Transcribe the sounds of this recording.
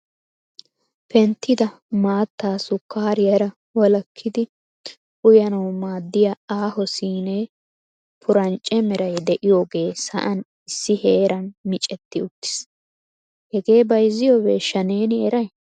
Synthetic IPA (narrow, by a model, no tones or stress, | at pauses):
pɛnt̪ːɪd̪ɐ | maːt̪ːaːsʊkʰːaːɾɪjɐɾɐ | wɔlɐkʰːɪd̪ɪ | ʔʊjɐnɐwmaːd̪ːɪjɐaːhɔsiːneː | pʰʊɾɐnt͡ʃʼːɛmɛɾɐjd̪ɛʔɪjoːɡe̞ːsɐ̰ʔɐn | ɪsːɪheːɾɐnmɪt͡ʃʼɛt̪ːɪʊt̪ːɪ̥s | hɛɡe̞ːbɐjzːɪjoːweːʃɐne̞ːnɪɛɾɐj